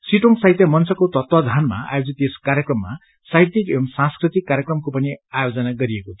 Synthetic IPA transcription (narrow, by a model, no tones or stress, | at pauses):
siʈoŋsajt̪jʌmʌnt͡sʌkot̪ʌt̪wʌd̪ʱanma̰a̰jod͡zit̪eskaɾjʌkrʌmːa̰ | sajt̪ikemsãnskrit̪ikːaɾjekrʌmkopʌniajod͡zʌnaɡʌɾieko